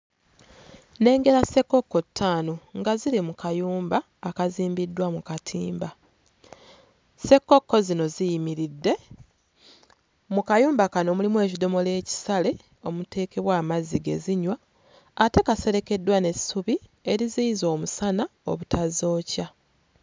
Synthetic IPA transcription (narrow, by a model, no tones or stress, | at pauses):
ne̞ːŋɡe̞ɾase̞kːo̞kːo̞tʰːaːnoŋɡazilimukʰajuːmbaːkaziːmbidːwamukatʰiːmba | se̞kːo̞kːo̞zino̞zijimiɾidːe̞ | mukajuːmbakano̞mulimwe̞ːcido̞mo̞le̞ːci̥sale̞ | o̞mute̞ːke̞βwaːmaziɡe̞̰ziɲwaː | te̞kase̞ɾe̞ke̞dːwane̞suβie̞ɾiziizo̞ːmusanao̞̰βutʰazo̞ːca